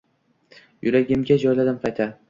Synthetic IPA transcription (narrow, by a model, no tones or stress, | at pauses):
jʊɾaɡʲɪmɡʲad͡ʒɒjlad̪ɪmqʰɑjt̪ʰa